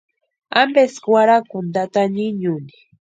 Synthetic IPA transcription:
ambeskwaɾakʊnd̪at̪aɲiɲuni̥

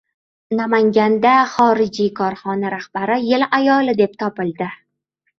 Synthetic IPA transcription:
namaŋɡʲand̪aχɒɾɪd͡ʒijkʰɒɾχɒnaɾahb̥aɾɪjɪlajɒlɪd̪e̞p̚t̪ʰɒpɪlˠd̪ɪ

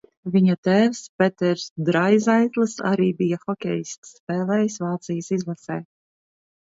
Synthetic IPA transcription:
vʲiɲat̪ɛːvspɛt̪ɛɾsd̪ɾajzajt̪lˠɨsa̰ɾiːbijaxɔkʲɛ̰jist̪spɛːlˠɛjsvaːt̪sijasizlˠasɛː

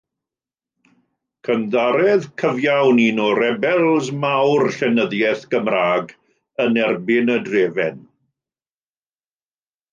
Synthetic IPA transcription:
kʰəndaɾɛðkʰəvjawninɔɾɛbɛlˠzmawrɬɛnəðjɛθɡ̥əmraːɡ | ənɛrbɪnədreːvɛn

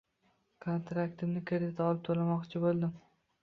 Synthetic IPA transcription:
kʰont̪ɾakt̪ɪmnɪkʲʰaɾt̪ʰaɒlˠɪp̚t̪ʰolamɒqt͡ʃʰɪbolˠd̪ɪm

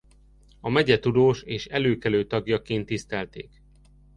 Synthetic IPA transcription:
ɒmɛɟɛt̪ud̪oːʃeːʃɛløːkɛløːt̪ɒɡjɒkeːnt̪ːist̪ɛlt̪ḛːk

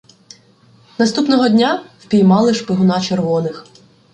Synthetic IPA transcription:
nɐst̪upnɔɦɔdʲnʲawpʲijmɑlˠɪʃpɪɦʊnɑt͡ʃerʋɔnɪx

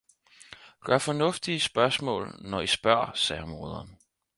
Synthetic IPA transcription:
ɡ̥ɶɐfɒ̽nɔ̽fd̥iəsb̥ɶɐsmɔ̰̽ːlnɒisb̥ɶɐ̰sɛ̰ːɐmo̝ːð̞ˠɐn

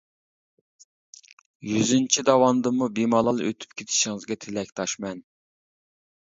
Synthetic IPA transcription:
jyzynt͡ʃʰid̪ɑwɑnd̪ɨmubimɑlˠɑlˠø̰t̪ʰy̥p̚kʲʰet̪ʰɪ̥ʃiŋɨzɡʲɛt̪ʰelɛkʲt̪ʰɑʃmɛn

